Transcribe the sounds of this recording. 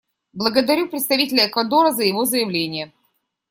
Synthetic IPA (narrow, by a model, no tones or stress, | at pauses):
blˠəɡəd̪ɐɾʲupɾʲɪt̪st̪ɐvʲitʲɪlʲəːkvɐd̪o̞ɾəzəjɪvo̞zəjɪvlʲenʲɪjə